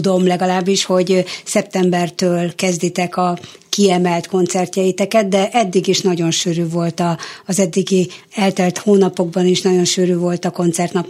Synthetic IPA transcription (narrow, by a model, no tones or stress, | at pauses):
d̪o̞mlɛɡɒlaːbːiʃho̞ɟsɛp̚t̪ɛmbɛrt̪øːlkɛzd̪it̪ɛkɒ | kiɛmɛlt̪ko̞nt̪sɛrtɒjit̪ɛkɛd̪d̪ɛʔɛd̪ːiɡiʃnɒɟo̞nʃyːɾyːvo̞lt̪ɒːzɛd̪ːiɡiɛlt̪ɛlt̪hoːnɒpo̞ɡbɒniʃnɒɟo̞nʃyːɾyːvo̞lt̪ɒko̞nt̪sɛrt̪nɒp